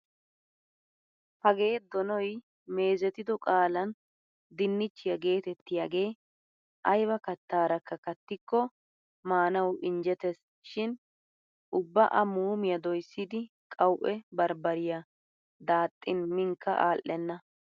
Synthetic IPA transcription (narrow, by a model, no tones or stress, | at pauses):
hɐɡe̞ːd̪ɔnɔj | me̞ːzɛt̪ɪd̪ɔkʼaːlɐn | d̪ɪnːɪt͡ʃːɪjɐɡe̞ːt̪ɛt̪ːɪjaɡe̞ː | ʔɐjbɐkɐt̪ːaːɾɐkːɐkɐt̪ːɪkːɔ | maːnɐwʔɪnd͡ʒɛt̪ɛs | ʃɪn | ʔʊbːɐʔɐmuːmɪjɐd̪ɔjsːɪd̪ɪ | kʼɐwʔɛbɐɾbɐɾɪjɐ | d̪aːt̪ʼːɪnmɪŋkʰːɐ̰ʔaːlʔːɛnːɐ